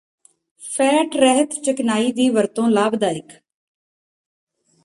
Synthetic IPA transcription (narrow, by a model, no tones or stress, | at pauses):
pʰɛːʈɾɛɦət̪t͡ʃəknaːiːd̪iːʋəɾt̪õːlaːbd̪aːɪk